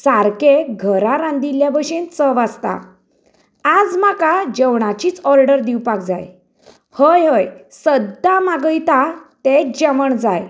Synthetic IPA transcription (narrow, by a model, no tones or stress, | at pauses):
saɾkeɡʱəɾaɾãnd̪iljabəɕent͡səʋast̪a̰ | ad͡zmakad͡ʑəwɳat͡ɕiːt͡sɔɾɖəɾd̪iwpak̚d͡za̰j | həjɦəj | səd̪ːamaɡəjt̪at̪ed͡ʑəməɳd͡zaj